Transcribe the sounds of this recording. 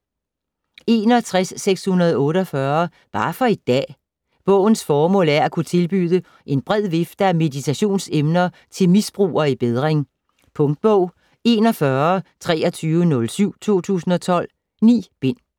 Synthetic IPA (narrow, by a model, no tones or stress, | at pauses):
e̝ːnɒ̽t͡sʰʁasːeɡ̥shunɐð̞̩ˠɔ̽ːɾəɒfɶɐ | b̥ɑ̈ːfɒ̽e̝d̥̚d̥ɛ̰ː | b̥ɔ̽ʊ̰n̩sfɒːmɔ̰̽læɐækʰut͡sʰe̝lb̥y̰ːðˠə | ʔe̝nb̥ʁɛð̞̰ˠʋe̝fd̥əæme̝ðˠit͡sʰæɕo̝̰ːnsemnɐ | t͡sʰe̝lmisb̥ʁṵːɐib̥eðˠʁeŋ | pʰɔ̽ŋd̥̚b̥ɔʊ̰ | e̝ːnɒ̽fɶɐt͡sʰʁɛ̰ːɒt͡sʰyːʋənɔ̽lsyʊ̰t͡sʰo̝̰ːt͡sʰṵːsn̩ɒ̽t͡sʰɒ̽l̰ | nḭːb̥e̝n̰